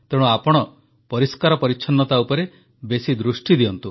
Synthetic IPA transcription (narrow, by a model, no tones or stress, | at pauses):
t̪eɽ̃uapɔɽ̃ɔ | pɔɾiskaɾɔpɔɾiːt͡ʃʰɔnːɔt̪aupɔɾe | besid̪ɾusʈid̪iɔnt̪u